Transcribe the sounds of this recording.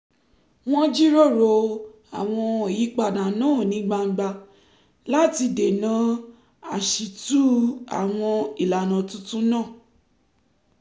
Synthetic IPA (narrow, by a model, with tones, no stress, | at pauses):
w̃ɔ̃˦d͡ʒi˦ɾo˦˨ɾo˧ | a˨w̃ɔ̃˧o˨ji˨˦k͡pa˦˨dã˨nãː˦˨nĩ˨˦ɡ͡ba˧ŋ͡m̩˦ɡ͡ba˧ | la˦ti˧de˨nã˨˦ | a˨ʃi˨tu˦a̰˨w̃ɔ̃˧i˨la˨nã˨tũ˦tũ˦nãː˦˨